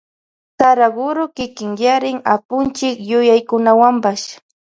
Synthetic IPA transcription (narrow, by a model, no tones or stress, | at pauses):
saɾaɡʊɾokɪkɪŋjaɾɪŋapʊnt͡ʃɪkjʊjajkʊnawampas